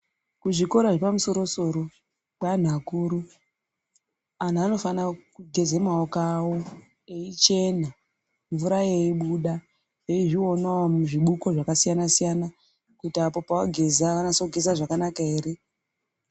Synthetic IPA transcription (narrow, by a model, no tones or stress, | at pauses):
kuʐiko̞ɾaʐepamuso̞ɾo̞so̞ɾo̞ | ɓan̤akuːɾu | an̤aano̞fanakuɡʱe̞zemaokawo̞ | e̞it͡ʃe̞na | ɱvuɾajeiɓuɗa | jeiʐio̞naomuʐiɓuko̞ʐakasijanasijana | kutiapo̞pawaɡʱe̞zaanasoɡʱe̞zaʐakanakaeːɾe̞